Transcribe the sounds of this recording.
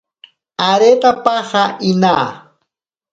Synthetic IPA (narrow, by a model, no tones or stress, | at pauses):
aɾet̪apɑhɑʔɪnaː